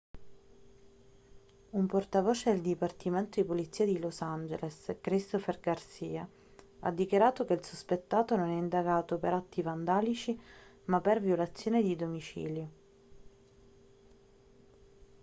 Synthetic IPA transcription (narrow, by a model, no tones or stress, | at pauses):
umport̪avoːt͡ʃed̪eld̪ipart̪iment̪od̪ipolit̪sːiːad̪ilosand͡ʒḛleskɾist̪oferɡarsiːa | a̰d̪ːikjaɾaːt̪okeilsuspet̪ːaːt̪ononɛind̪aɡaːt̪opeɾat̪ːivand̪aːlit͡ʃi | mapːervjolat̪sːjoːned̪id̪omit͡ʃḭːljo